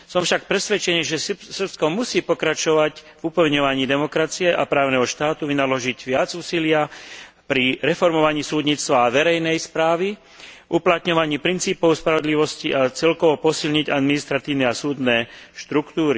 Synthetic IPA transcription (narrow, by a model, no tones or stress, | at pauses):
sɔmfʃak̚pɾɛsʋɛt͡ʃɛniːʒɛsr̩pskɔmusiːpɔkɾat͡ʃɔʋac | vupɛlɲɔʋaɲiːd̪ɛmɔkɾat͡siɛʔapɾaːʊnɛɦɔʃt̪aːt̪uʋinalɔʒiɟʋɪad͡zuːsilɪa | pɾiɾɛfɔɾmɔʋaɲiːsuːd̪ɲiːt͡st̪ʋaːʋɛɾɛjnɛjspɾaːʋi | uplat̪ɲɔʋaɲiːpɾint͡siːpɔʊspɾaʋɔd̪liʋɔsciʔat͡sɛlkɔʋɔpɔsilɲiɟad̪minist̪ɾat̪iːʊnɛasuːd̪nɛːʃt̪ɾukt̪uːɾi